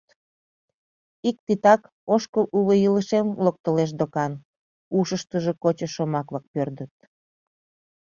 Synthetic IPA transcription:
ik̚t̪it̪ɑk | oʃkəʔuβəjiləʃemlok̚t̪əleʃ̬d̪okɑn | uʃəʃt̪əʒekot͡ɕəʃomɑkβɑk̚pørd̪ət̪̚

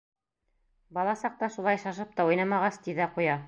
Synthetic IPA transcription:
bɑlˠɑsɑq̚t̪ɑʃulˠɑjʃɑʃ̬ɤp̚t̪ɑujnɑmɑʁɑst̪iðæqujɑ

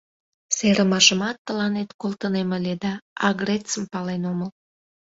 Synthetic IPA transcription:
seɾəmɑʃəmɑt̪ːəlɑnet̪kolˠt̪əneməlʲed̪ɑɑɡret͡səmpɑlenoməl

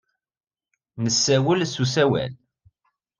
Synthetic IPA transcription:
nəsːæwəlsusæwæ̰l

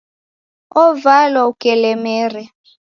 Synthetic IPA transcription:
ɔvalwaukʼɛlɛmɛːrɛ

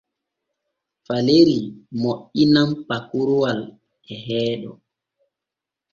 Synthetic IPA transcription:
faleɾimoʔinampakuɾuwal | ɛɦɛːɗɔ

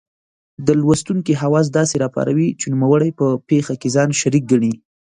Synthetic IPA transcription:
d̪əlwast̪uŋkiɦawɑs̬d̪ɑseɾɑpɑ̰ɾa̰wit͡ʃenumawəɽajpəpexakezɑnʃaɾik̚ɡaɳ̃i

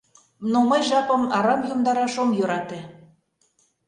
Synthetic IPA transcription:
nomɤjʒɑpə̆mɑɾɑmjumd̪ɑɾɑʃomjøɾɑt̪e

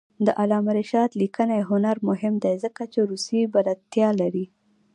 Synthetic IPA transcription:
d̪əʔalɑmaɾiʃɑd̪likənajɦʊnaɾmʊɦɪmd̪ejzəkat͡ʃeɾusibalat̪jɑlaɾi

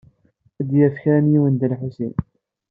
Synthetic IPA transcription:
d̪jæfçænjiwənd̪əlħusḭn

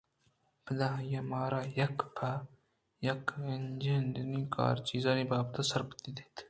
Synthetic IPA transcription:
pəd̪ãjɐmaːɾaːjɐkpʰa | jɐkend͡ʒend̪iniːka̰ːɾt͡ʃiːzaːnibaːb̚t̪asɐɾbt̪id̪et̪

